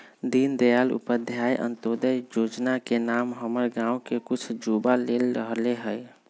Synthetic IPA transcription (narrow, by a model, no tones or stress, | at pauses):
d̪ind̪ejalṵpəd̪ʱjajʔə̰nt̪od̪əjd͡ʒod͡ʒnakenamɦəməɾɡãũkekut͡ʃʰd͡ʒubalelɾəɦleɦəj